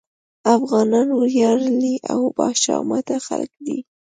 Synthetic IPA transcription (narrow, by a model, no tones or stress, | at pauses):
afɣɑnɑnʊɾjɑɾliʔawbɑʃɑ̰mat̪axa̰lkd̪i